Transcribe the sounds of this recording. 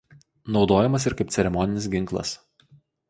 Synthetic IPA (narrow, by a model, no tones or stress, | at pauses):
nɒʊd̪oːjɛmɐs̬ɪɾkɐɪpt̪sʲɛɾʲɛmɔnʲɪnʲɪs̬ɡʲɪŋˑklˠɐ̰s